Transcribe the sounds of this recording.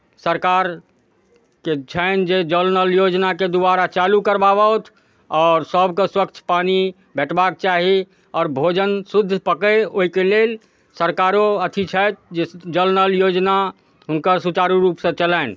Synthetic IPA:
səɾkaɾ | ket͡ʃʰəɪnd͡ʒed͡ʒəlnəljod͡ʒnaked̪ubaɾat͡ʃalukəɾbabət̪ʰ | ɔːɾsəbkeswəkt͡ʃʰpani | bɛʈʰbak̚t͡ʃaɦi | ɔːɾbʱod͡ʒənsud̪ʱːpəkeoɦikelel | səɾkaɾoət̪ʰit͡ʃʰət̪̚ʰd͡ʒed͡ʒəlnəljod͡ʒna | ɦʊnkəɾsut͡ʃaɾuɾuːpsə̃t͡ʃələɪn

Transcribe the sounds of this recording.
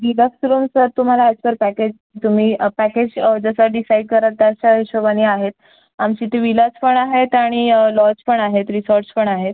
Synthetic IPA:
ɾid̪əksɾuːmsəɾt̪um̤alaad͡ʑpəɾpæked͡ʑkit̪um̤iːpæked͡ʑd͡zəsəɖisaiɖ̚kəɾat̪̚t̪aɕaɦeɕoʋaniaɦet̪̚ | amt͡ɕiːt̪iʋilat͡spəɳaɦet̪aɽ̃ilɔ̃d͡zpəɳaɦet̪ɾisɔɾʈspəɳaɦet̪̚

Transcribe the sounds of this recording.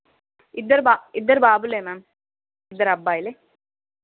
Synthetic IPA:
ɪd̪ːɐɾbaːɪd̪ːɐɾbaːbulemam | ɪd̪ːɐɾɐbːaːjile

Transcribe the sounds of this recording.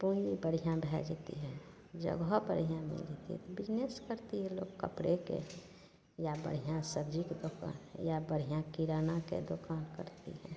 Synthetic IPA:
pujibəɽ̤ijãbʱɛd͡ʒt̪ḭɦɛ | d͡ʒə̰ɡobəɽijãmḭld͡ʒet̪ḭɦɛ̰t̪obɪd͡ʒneskəɾt̪iɦɛ̃lo̰ːɡkəpɽekḛ | jabə̰ɽ̤ijãsəbd͡ʒiked̪oka̰ːnjabəɽ̤ijãkiɾaːnakḛd̪okaːnkə̰ɾt̪ḭɦɛ̰̃

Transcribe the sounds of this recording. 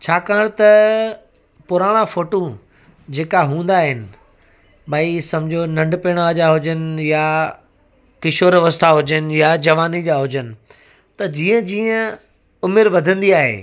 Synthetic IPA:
t͡ɕʰaːkaːəɽ̃t̪ɐ | pʊɾaːɽ̃ãfoːʈõ | d͡ʑeːkaɦũːn̆d̪aːɦɪnɪ̆ | ɓaisɐ̃md͡ʑʱonɐ̃ɳɖpeːɽ̃ad͡ʑaːɦʊd͡ʑənɪ̆ja | kɪʃoːɾʋɐst̪ʰaɦʊd͡ʑənɪ̆jad͡ʑɐʋaːnid͡ʑaːɦʊd͡ʑənɪ̆ | t̪ɐd͡ʑiːə̃d͡ʑiːə̃ | ʊmɪɾʋɐd̪ʱə̃nd̪iaːɦḛː

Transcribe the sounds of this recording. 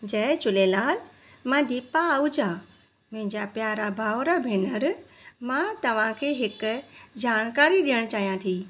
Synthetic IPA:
d͡ʑɐːt͡ɕʊlelaːl | mɐ̃d̪ʱipaːʊd͡ʑʱa | mɐ̃ɦɪ̃ɲd͡ʑapjaːɾabʱaːʋɾabʱeːnəɾ | mãt̪ɐʋ̤ãkʰeːɦɪkʊd͡ʑaːɽ̃kaːɾiɗijəɽ̃t͡ɕaːɦijãt̪ʰiː

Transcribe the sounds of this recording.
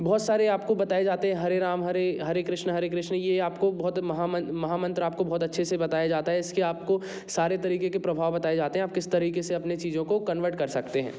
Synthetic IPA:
bɔːt̪saːɾeaːp̚kobɐt̪aːed͡ʒaːt̪eɦɛ̃ɦɐɾeɾaːmɦɐɾeɦɐɾekɾɪʃnəɦɐɾekɾɪʃnjeaːpkobɔːt̪mɐɦamɐ̃mɐɦaːmɐ̃nt̪ɾaːp̚kobɔːt̪ɐtːʃʰesebɐt̪aːjad͡ʒaːt̪aɦɛɪskiaːp̚ko | saːɾet̪̬ɐɾiːkekepɾɐbʱaːʋbɐt̪aːjed͡ʒaːt̪eɦɛ̃aːp̚kɪst̪ɐɾiːkeseɐpnet͡ʃiːzõkokɐnʋəɾʈkɐɾsɐkt̪eɦɛ̰̃ː

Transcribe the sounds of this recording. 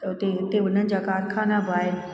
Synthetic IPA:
ʊt̪eʊt̪eʊn̤ənɪ̆d͡ʑaːkaːɾkʰaːnabʱaːe

